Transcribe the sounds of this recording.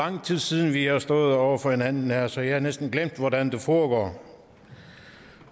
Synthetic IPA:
ɑ̈ŋ̰t͡sʰið̰ˠsið̞ˠn̩ʋihɑ̈sd̥ɔ̽ːð̩ˠɒʊ̰ɐfɒ̽he̝nænn̩ːæɐsɒ̽jɑhɑ̈nesd̥n̩ɡ̥lem̰d̥ʋɒdænd̥e̝fɒːɡ̥ɒ̰ː

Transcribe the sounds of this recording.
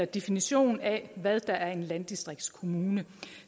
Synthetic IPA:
ɐd̥e̝finiɕo̝̰ːn̩æʋæðˠd̥ɑ̈ʔæɐe̝nlænd̥isd̥ʁeɡ̥d̥skʰo̝muːnə

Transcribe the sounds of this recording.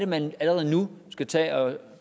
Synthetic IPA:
ɾəmænæləʁɛð̞̩ˠnusɡ̥æt͡sʰɛ̰ːɒ̽

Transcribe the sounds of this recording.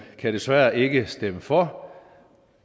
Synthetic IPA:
kʰæɾ̥e̝sʋæːɐʔe̝ɡ̥əsd̥eməfɒ

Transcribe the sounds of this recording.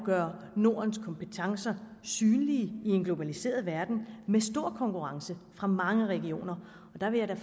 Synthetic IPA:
ɡ̥ɶɐ | no̝ɐ̰nskʰɒ̽mpʰet͡sʰɑ̈ŋsɐ | syːnliəie̝nɡ̥lo̝b̥ælise̝̰ːɐðˠʋæɐd̥n̩mesd̥o̝ɐ̰kʰɒ̽ŋkʰuʁɑ̈ŋsəfʁɑ̈mɑ̈ŋəʁɛɡ̥io̝̰ːnɐ | ɒ̽d̥ɑ̈ʋe̝jɑd̥æ

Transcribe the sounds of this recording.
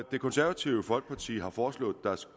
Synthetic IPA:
e̝kʰɔ̽nsæɐʋæt͡sʰiʊəfɒ̽lɡ̥̚pʰɑ̈t͡sʰḭːɦɑ̈fɒːslɔ̰̽ːð̩ˠd̥æs

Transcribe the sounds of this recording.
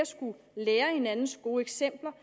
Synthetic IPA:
ɐsɡ̥u | leːɐhe̝nænn̩sɡ̥o̝ːeɡ̥sem̰b̥lɐ

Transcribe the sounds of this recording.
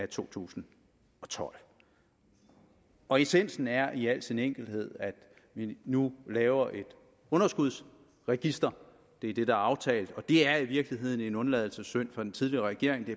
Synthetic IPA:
æt͡sʰo̝̰ːt͡sʰṵːsn̩ | ɒ̽t͡sʰɒ̽l̰ | ɒ̽e̝sen̰sn̩æɐʔiæl̰d̥sineŋ̰ɡ̥l̩d̥he̝ð̰ˠæd̥ | ʋinulɛːʊɐʔe̝d̥ | ɔ̽nɐsɡ̥uð̞ˠs | ʁɛɡ̥isd̥ɐ | d̥e̝d̥e̝d̥ɑ̈ɑ̈ʊt͡sʰɛ̰ːld̥ɒ̽d̥e̝æɐiʋiɐɡ̥liɦe̝ð̰ˠn̩e̝nɔ̽nlɛðˠl̩səsøn̰fɑ̈d̥ent͡sʰið̞ˠliɐʁɛɡ̥e̝ɐ̰eŋd̥e

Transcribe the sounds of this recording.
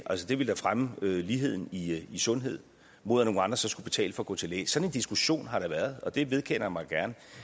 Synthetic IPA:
ʔælsəd̥e̝ʋe̝ld̥ɑ̈fʁaməøliːɦe̝ð̰ˠn̩iisɔ̽nɦe̝ð̞̰ˠ | mo̝ð̰ˠæno̝ːŋ̩ɑ̈nd̥ʁɐsɒ̽sɡ̥ub̥e̝t͡sʰɛ̰ːləfɒ̽ɡ̥ɔ̰̽ːt͡sʰe̝lɛ̰ːssɒ̽ne̝nd̥isɡ̥uɕo̝̰ːnɦɑ̈ɾ̥ɑ̈ʋæːɐð̞ˠɒ̽d̥e̝ʋe̝ð̞ˠkʰen̰ɐjmɑ̈ɪɡ̥æɐnə

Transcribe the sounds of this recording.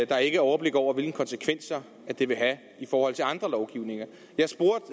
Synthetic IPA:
d̥ɑ̈æɐe̝ɡ̥əɒʊɐb̥le̝ɡ̥ɒʊ̰ɐʋe̝lɡ̥n̩kʰɒ̽nsəkʰʋen̰sɐ | æd̥e̝ʋe̝ɦæ | ifɒːhɒ̽l̰t͡sʰe̝ɑ̈nd̥ʁɐlɒʊɡ̥iʊ̰ne̝ŋɐ | jɑ̈sb̥o̝ɐ̰d̥

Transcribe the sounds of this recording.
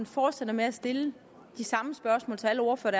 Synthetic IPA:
nfɒːd̥sed̥ɐmeæsd̥e̝lə | d̥isɑ̈məsb̥ɶɐsmɔ̰̽ːlt͡sʰeæləɒ̰ɐfɒɾ̥æ

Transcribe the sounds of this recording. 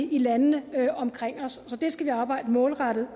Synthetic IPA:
ilænənəɒ̽mkʰʁeŋ̰ɒ̽sːɒ̽d̥e̝sɡ̥æʋiɑ̈ːb̥ɑ̈ɪ̰d̥əmɔ̽ːlʁɑd̥ð̩ˠ

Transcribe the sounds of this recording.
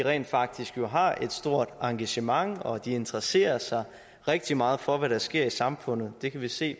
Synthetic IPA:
iʁɛ̰ːnd̥fɑ̈ɡ̥̚d̥isɡ̥jo̝ɦɑ̈e̝d̥sd̥o̝ɐ̰d̥ɑ̈ŋɡ̥æɕəmɑ̈ŋɒ̽d̥ie̝nd̥ʁɐse̝̰ːɐsɑ̈ɪ | ʁɛɡ̥̚d̥imɑ̈ːð̞̩ˠfɒ̽ʋæɾ̥æsɡ̥e̝ɐ̰isɑ̈mfɔ̽n̰ð̞̩ˠd̥e̝kʰæʋise̝̰ː

